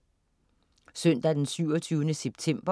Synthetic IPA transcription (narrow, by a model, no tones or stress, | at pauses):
søn̰d̥æd̥ensyʊ̰ɒt͡sʰyːʊnəseb̥̚t͡sʰem̰b̥ɐ